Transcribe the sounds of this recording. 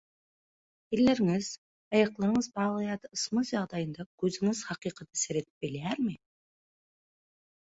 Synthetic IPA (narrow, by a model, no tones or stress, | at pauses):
elːe̞ɾɪŋɪz̥ | ɑjɑqlˠɑɾəɴəzbɑʁlˠɑjɑd̪əəsməsʒɑʁd̪ɑjənd̪ɑkʲʰɵzɪŋɪz̥χɑqijqɑt̪ɪ̥seɾe̞t̪ɪ̥p̚bɪleæɾmɪ